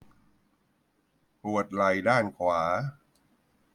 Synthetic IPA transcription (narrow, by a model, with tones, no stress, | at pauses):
pu˨˩ət̪̚la˨˩jdaː˥˩nkʰwaː˩˦